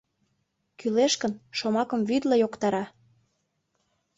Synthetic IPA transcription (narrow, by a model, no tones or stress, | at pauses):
kyleʃkə̆nʃomɑkə̆mvyd̪lɑjokt̪ɑɾɑ